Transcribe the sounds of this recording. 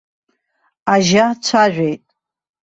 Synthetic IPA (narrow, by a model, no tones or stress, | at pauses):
aʒat͡ʃʷʰaʒʷᶣejtʼ